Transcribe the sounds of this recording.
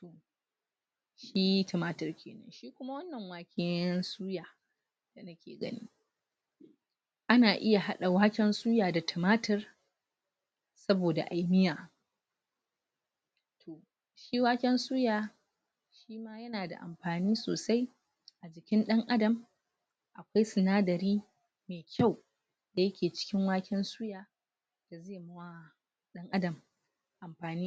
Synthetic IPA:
to˨ | ʃiː˦ji˦tɐ˨maː˦tɐ˨rkʲḛː˨nɐ̰˦nʃiː˦kʷʊ˦ma˦wɐ˦nːɐ˨ŋwaː˨kʲʰɪ˦nsuː˦jaː˨ | d̥a˨nɐ˦kʲḛː˨ɡɐ̰˦nḭː˦ | ʔa˦naː˨ʔɪ˦ja˨ɦa˦ɗa˨waː˦kʲɛ˦nsuː˦jaː˨da˨tʰɐ˨maː˦tɐ˨r | sɐ˦boː˨da̰˨ʔa˨jmɪ˦jaː˨ | tʰoː˨ | ʃiː˦waː˦kʲɛ˦nsuː˦jaː˨ | ʃiː˦maː˦jɐ˦naː˨da̰˨ʔa̰˨mɸaː˨niː˦so̰ː˨sa˦j | ʔa˨d͡ʒɪ˨kʲɪ˦nɗɐ˦ŋʔa˦dɐ˨m | ʔa˨kʷa˦jsɪ˨naː˦dɐ˨ɾiː˦ | me˨kʲa˦˨w | da˨jɐ˦kʲeː˨t͡ʃɪ̥˦kʲɪ˦ŋwaː˦kʲɛ˦nsuː˦jaː˨ | d̥a˨zeː˦˨mɐ˦wa˦˨ | ɗɐ˦ŋʔa˦dɐ˨m | ʔa˨mɸaː˨niː˦

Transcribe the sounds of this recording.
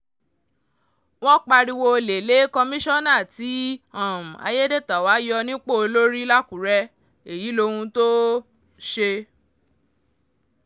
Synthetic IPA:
w̃ɔ̃˦k͡pa˧ɾi˧wo˧le˨le˨˦kɔ˧mĩ˦ʃɔ̃˦nã˦˨ti˨˦ã˦˨m̩˨a̰˧je˦de˦˨ta˨wa˨˦jɔ˧nĩ˦k͡po˦˨o˧lo˦ɾi˦la˦kũ˨˦ɾɛ˧ | e˨ji˨˦lo˧hũ˧to˦ | ʃe˧

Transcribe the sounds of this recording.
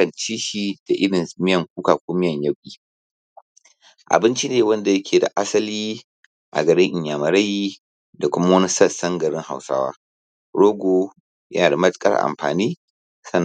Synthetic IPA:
ɐ˨nt͡ʃiː˦ʃiː˨d̥a˨ʔɪ˦ɽɪ˨mɪ˦jɐ˨ŋkʷuː˦kaː˨kʷoː˦mɪ˦jɐ˨ɲjɐ˦wkʲʼiː˨ | ʔa̰˨bɪ˦nt͡ʃi˦neː˨wɐ˦nda˨jɐ˦kʲʰeː˨da̰˨ʔa˦sɐ˦liː˦ | ʔa̰˨ɡɐ˨ɽɪ˦ŋʔɪ˨ɲjaː˨mɐ˨ɾɐ˦ji˦ | da˨kʷʊ˦ma˦wɐ˦ni˦sɐ˦˨sɐ˦ŋɡɐ˨ɽɪ˦ŋha̰˨wsa̰ː˦wa̰ː˦ | ɽoː˦ɡʷoː˦ | jɐ̰˦naː˨da˨mɐ˦tkʼɐ̰˦ʔa̰˨mɸa̰ː˨niː˦ | sɐ˦n

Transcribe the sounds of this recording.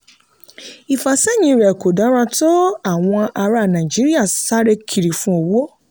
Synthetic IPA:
i˨fa˨sɛ˦ɲĩ˧˦˨ɾɛ˨ko˨dã˨˦ɾa˧to˦a˨w̃ɔ̃˧ʔa˧ɾa˨nã˨d͡ʒi˦ɾi˦a˦˨sa˦ɾe˧kʰi˨ɾi˨fũ˦o˨wo˦

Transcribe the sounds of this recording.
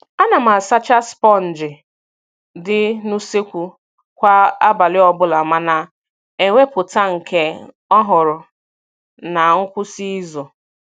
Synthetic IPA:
a˦na˨m̩a˨sa˦t͡ʃa˦spɔ˦˨n̩˨d͡ʒɪ˨ | dɪ˦nu˦se˦kʷu˨ | kʷa˦a˦ba˨lɪ˦ɔ˦bʊ˦la˨ma˦na˨ | e˨ŋʷe˦pʊ˨ta˦ŋ̩˨ke˦ | ɔ˦ɦʊ˨ɾʊ˨ | na˨ŋ̩˦kʷʊ˦si˦zʊ˨

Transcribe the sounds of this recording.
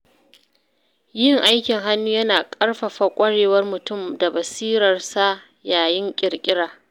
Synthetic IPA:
jɪ˦ŋʔa˦jkʲɪ˨ŋɦa˦nːuː˦jɐ˦naː˨kʼɐ˦rɸa˨ɸa˨kʷʼɐ˦ɽeː˨wɐ˦rmʊ˨tʊ˦˨mda˨bɐ˨siː˦ɾɐ˨rsa˦ | jaː˨jɪ˦ŋkʲʼɪ˨rkʲʼɪ˦ɽaː˨

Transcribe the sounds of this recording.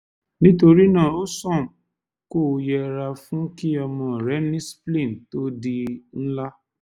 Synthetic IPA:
nĩ˦to˧ɾi˦nã˦˨o˦sɔ̃˦˨m˨ | ko˦˨˧jɛ˧ɾa˧fũ˦ki˦ɔ˧mɔ̃˨ɾɛ˨˦nĩ˦splĩ˦˨to˦di˧n̩˦la˦

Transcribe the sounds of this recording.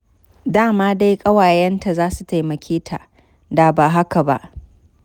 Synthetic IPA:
daː˦˨maː˦da˦jkʼɐ˦waː˨jɛ˦nta˨zaː˦su˨ta˨jmɐ˨kʲʰeː˦tʰa˨ | da˨baː˨ɦa˦ka˨ba̰˦ʔ

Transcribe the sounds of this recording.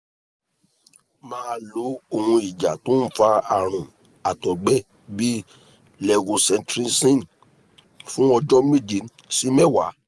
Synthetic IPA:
mãː˨˦˧lu˨˦o˧˨hũ˧i˨d͡ʒa˨to˦n̩˦fa˧a˨ɾ̃ũ˨ | a˨tɔ˨ɡ͡bɛ˦ | bi˦ | lɛ˧ɡo˧sɛ̃˧ntɾi˦sĩ˦n | fũ˦ɔ˧d͡ʒɔ˦mĩ˦˨d͡ʒi˨˦n | si˨˦mɛ˦˨wa˨˦

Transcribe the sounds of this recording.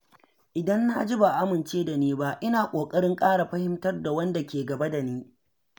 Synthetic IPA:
ʔɪ˨dɐ˦nːa˦d͡ʒi˦ba˨ʔa˦mɪ˨nt͡ʃeː˦da˨niː˦ba˦ʔɪ˦naː˨kʷʼoː˨kʼɐ˦ɽɪ˦ŋkʼaː˦ɽa˨ɸɐ˦hɪ˦mtɐ˦rda˨wɐ˦nda˨kʲeː˨ɡɐ˨ba˦da˨niː˦

